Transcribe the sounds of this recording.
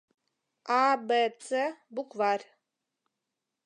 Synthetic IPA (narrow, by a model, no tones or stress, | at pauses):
aːbɐt͡sʰɐbukʷvaːr